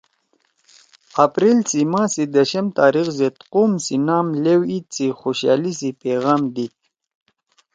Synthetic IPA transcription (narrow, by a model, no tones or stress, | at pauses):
apɾilt͡simãːsid̪əɕɐmt̪aːɾixzet̪qumsinaːmlewit̪̚t͡sixoɕa̰ːlisipeɣaːmd̪i